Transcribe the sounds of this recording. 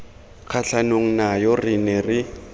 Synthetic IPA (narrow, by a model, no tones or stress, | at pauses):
k͡xʰaɬanoŋ̩najɔrɪnɛrɪ